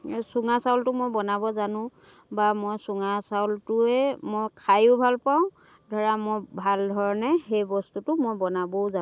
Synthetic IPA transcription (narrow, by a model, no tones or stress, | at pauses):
suŋasawltʊmojbɔnabɔzanʊ̃ | bamɔjsʊŋasawltʊɛmojkʰajʊbʱalpaʊ̃ | dʱɔɹamɔjbʱaldʱɔɹɔnɛxejbɔstutʊmojbɔnabɔza